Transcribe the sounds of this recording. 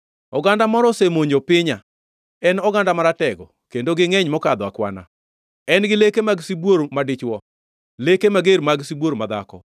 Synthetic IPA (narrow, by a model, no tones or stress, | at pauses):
ɔɡandamɔɾɔsemoɲopɪɲa | ɛnɔɡandamaɾatɛɡɔ | kendoɡɪŋɛɲmɔkad̪ɔakwa̰na̰ | ɛnɡɪlekemaɡsibwoɾmadɪt͡ʃwɔ | lekemaɡeɾmaɡsibwoɾmad̪a̰kɔ̰